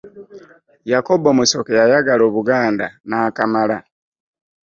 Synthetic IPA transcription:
jakobomusokejajaɡaloβuɡaːnda̰naːkamala

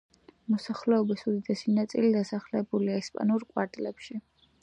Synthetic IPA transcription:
mɔsaχlɛɔbisud̪id̪ɛsinat̪sʼḭlid̪asaχlɛbuliaɛspʼa̰nuɾkʼwaɾt̪ʼlɛpʃi

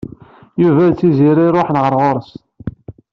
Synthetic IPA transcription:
juvæðt͡sːiziɾiɾˤoħnʁəɾˤʁʊɾˤəst̪

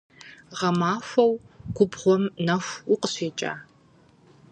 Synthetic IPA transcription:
ʁɐmaːfɐw | ɡʷʊbʁʷɔmnɐfʷʊqəɕeːt͡ʃʼa̰ː

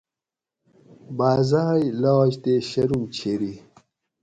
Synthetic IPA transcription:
baːzaɦɐjlawd͡ʑt̪eɕɐɾumt͡ɕʰeɾi

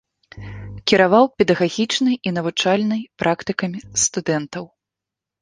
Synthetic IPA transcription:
kʲiɾavawpʲɛd̪ɐɣaɣʲit͡ʂnɨjin̪ɐvut͡ʂalʲnɨjpɾʔakt̪ɨkɐmʲist̪ud̪ɛnt̪ɐw

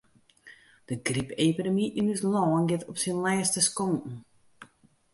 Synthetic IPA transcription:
d̥əɡripeːpidəmiʔinyslɔːnɡɪtɔpsinlɛːstəskoŋkn̩

